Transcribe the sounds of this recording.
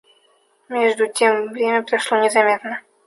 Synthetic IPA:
mʲeʐd̪ʊtʲemvɾʲemʲəpɾɐʂlˠonʲɪzɐmʲet̪nə

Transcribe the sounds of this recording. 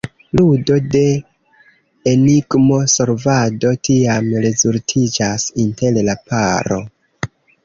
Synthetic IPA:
ludo̞de̞ | eniɡmo̞so̞ɾvado̞tiamɾe̞zultʰid͡ʒasinte̞llapaɾo̞̰

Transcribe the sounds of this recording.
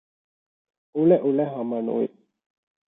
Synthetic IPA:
uleʔulɛɦɐmɐnṵʋḭ

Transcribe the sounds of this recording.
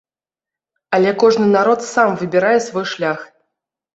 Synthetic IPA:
alʲɛkɔʐnɨnaɾɔt̪samvɨbʲiɾajɛsvɔjʂlʲax

